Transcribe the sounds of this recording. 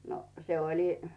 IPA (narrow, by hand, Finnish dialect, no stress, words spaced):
no se olʲi